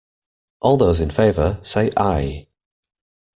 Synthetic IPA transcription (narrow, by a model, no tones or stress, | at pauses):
ʔɔːlˠðoʊzɪ̃nfeɪvəseɪʔaɪ